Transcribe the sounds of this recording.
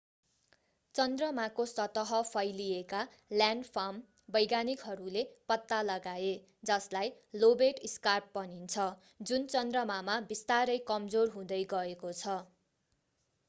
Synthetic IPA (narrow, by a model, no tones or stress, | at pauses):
t͡sʌnd̪rʌmakosʌt̪ʌɦʌpʰʌjlijeka | ljaɳɖpʰam | bʌjɡanikɦʌɾulepʌt̪ːalʌɡae | d͡zʌslajlobeʈiskarp̚pʌnint͡sʰʌ | d͡zunt͡sʌnd̪rʌmamabist̪aɾʌjkʌmd͡zorɦũd̪ʌjɡʌekot͡sʰʌ